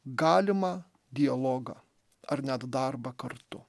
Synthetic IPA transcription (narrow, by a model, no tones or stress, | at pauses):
ɡɑːlʲɪmɐ | d̪ʲɪɐlˠɔːɡɐ | ɐɾnʲɛt̪d̪ɐɾbɐkɐɾt̪ʊ̰